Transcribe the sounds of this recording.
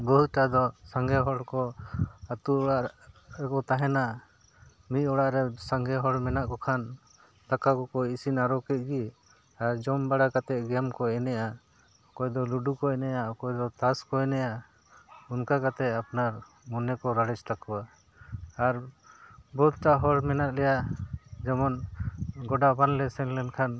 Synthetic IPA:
bɔɦut̪̚ʈad̪ɔsaŋɡɛɦɔɽkɔat̪uɔɽaʔɾɛkɔt̪aɦɛnaʔ | mit̪̚ˀɔɽaʔɾɛsaŋɡɛɦɔɽmɛnaʔkɔkʰan | t̪akakɔkɔjisinaɾɔkɛt̪̚ˀɡi | aɾd͡ʒɔmbaɽakat̪ɛʔ̚ɡɛmkɔɛnɛʔa | ɔkɔjd̪ɔluɖukɔɛnɛjaɔkɔjd̪ɔt̪askɔɛnɛja | unkakat̪ɛʔ̪apnaɾ | mɔnɛkɔɾaɽɛt͡ʃt̪akɔwaː | ɾ | bɔut̪̚ʈaɦɔɽmɛnaʔlɛjaʔd͡ʒɛmɔnɡɔɖabanlɛsɛnlɛnkʰan

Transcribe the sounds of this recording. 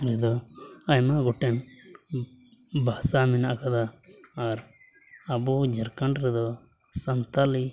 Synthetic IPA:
ɾɛd̪ɔajmaɡɔʈɛn | basaminaʔkad̪aː | ɾ | abud͡ʒɛɾkaɳɖɾɛd̪ɔ | sant̪ali

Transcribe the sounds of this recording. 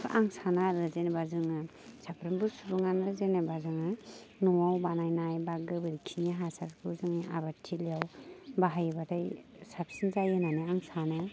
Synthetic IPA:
ʔaŋsanaɾɯzenabazɯŋɯ | sapɾɯmbɯsuɾuŋanazenabazɯŋɯ | nuwawbanajnajbaɡɯbɯɾikʰiŋaɦasaɾkʰɯzɯŋiʔabatʰilijawbaɦajbadajsap̚sinzajɯnanɯaŋsana

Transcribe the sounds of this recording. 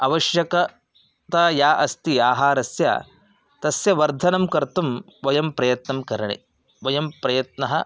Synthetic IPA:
ɐʋɐʃjɐkɐ | t̪ɐjaːʔɐst̪iaːɦaːɾɐsja̰ː | t̪ɐsjɐʋɐɾd̪ʱɐnɐmkɐɾt̪um | ʋɐjɐmpɾɐjɐt̪nɐmkɐɾɐɳḭ | ʋɐjɐmpɾɐjɐt̪nɐɦɐ

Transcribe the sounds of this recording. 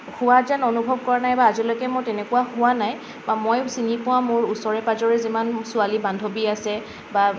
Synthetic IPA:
hʊwazanɔnubʱɔb̚kɔɹanajbaːzilɔjkɛmojtɛnɛkuwahʊanaj | bamojsinipɔwãmʊɹusɔɹɛpazɔɹɛzimansʊalibandʱobiasɛ | ba

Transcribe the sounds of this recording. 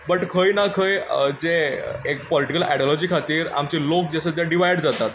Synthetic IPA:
bəʈkʰəjnakʰəjd͡zeekpɔliʈikəlɛ̰ɽɔlɔd͡ʑikʰat̪iːɾa̰mt͡ɕilok̚d͡ʑasət̪aɖiʋajɽd͡zat̪at̪

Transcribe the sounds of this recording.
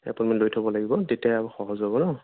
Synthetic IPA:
ɛ̰punmɔnlojtʰobɔlaɡibɔtetiaabuxɔɦɔzɦɔbɔnɔ

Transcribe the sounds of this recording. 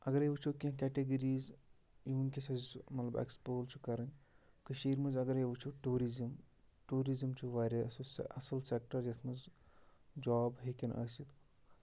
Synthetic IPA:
ɐɡɐɾeʋɨt͡ʃʰokʲĩkʲɛʈeɡɐɾiːz | jiʋunkʲisɐzmɐt̪lɐbḛkspoːlt͡ʃʰu̥kɐɾɐnʲ | kɨʃiːɾmɐzɐɡɐɾjeʋɨt͡ʃʰoʈuːɾizimʈuːɾizimt͡ʃʰuʋaːɾʲɐɐsosɐsɐlsek̚ʈɐɾd͡ʒɐt̪ʰmɐz | d͡ʒɔːbɦekʲinɐ̰ːsit̪

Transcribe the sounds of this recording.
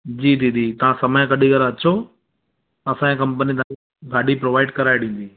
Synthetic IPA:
d͡ʑiːd̪iːd̪ʱiːt̪ɐʋ̤ãsɐməj̃kɐɗiɡɐɾɐt͡ɕo | ɐsãkɐ̃mpənit̪ʰã | ɡʱaːɗipɾoːʋaːɪɖkɐɾaːeɗĩːn̆d̪iː

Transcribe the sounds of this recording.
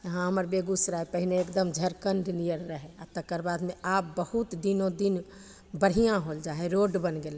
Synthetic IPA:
jəɦãɦəməɾbeɡusɾaɦɛpəɦineːkd̪əmd͡ʒʱəɾkəɳɖlijəɾːəɦɛat̪əkːəɾbad̪meap̚bəhut̪d̪inõd̪in | bəɽ̤ijãɦold͡ʒaɦɛɾoɖbənɡel

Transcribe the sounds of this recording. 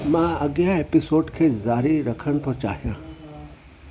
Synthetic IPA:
mãːɐɡjaeːpɪsoːɖkʰezaːɾiɾɐkʰəɳ̃t̪ʰot͡ʃa̰ːɦijãː

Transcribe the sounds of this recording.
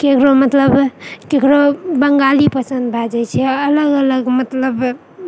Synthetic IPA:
kekɾomət̪ləbkekɾobəŋɡalipəsə̃nd̪bʱad͡ʒɛjt͡ʃʰɛələɡələɡmət̪ləb

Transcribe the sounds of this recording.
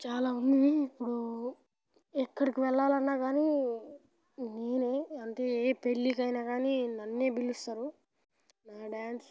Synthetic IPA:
t͡ʃaːlaːund̪ipːuɽu | ɛkːɐɽikiʋɛɭːaːlɐnːaːɡaːni | neːneːɐnt̪e̞ːeːpelːikɐjnaːɡaːninɐnːe̞ːbilːist̪aːɾu | naːɖaːns

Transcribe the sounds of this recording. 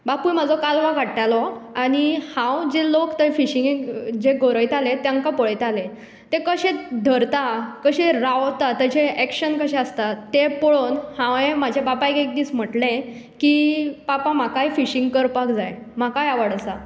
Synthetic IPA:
bapujm̤əd͡zɔkalʋaɡʱaɽʈalɔaɽ̃ihãwd͡ʑelokt̪əfiɕiŋŋd͡ʑeɡoɾəjt̪alet̪jãŋkapɔɭjt̪ale | t̪ekəɕed̪ʱəɾt̪akəɕeɾawt̪at̪ət͡ɕeɛkɕənkəɕɛ̃əst̪at̪epɔɭonhãʋẽmad͡ʑʱebapajkek̚d̪iːt͡sm̤əʈlẽ | kipapãmakajfiɕiŋɡkəɾpakd͡zajmakajaʋəɽəsa

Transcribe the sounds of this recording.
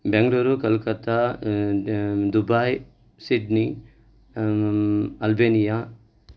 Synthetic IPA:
bẽŋɡloɾukɐlkɐt̪a | d̪ubaj | siɖni | ɐlbenija

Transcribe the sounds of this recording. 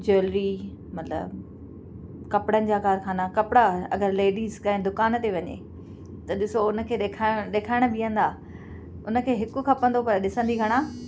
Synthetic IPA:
d͡ʑoːlɾi | mɐt̪lə̰b | kɐpɽənɪ̆d͡ʑaːkaːɾkʰaːnakɐpɪɽaɐ̰ɡəɾleːɖiːzkɐ̃ẽd̪ʊkaːnt̪eʋɐɲḛː | t̪ɐɗɪsoʊnə̆kʰeːɗeːkʰaɗeːkʰaːɪɽ̃̆biə̃n̆d̪aː | ʊnə̆kʰeːɦɪkkʰɐpə̃nd̪opɐɾɗɪsə̃nd̪iɡʱɐɽ̃aː

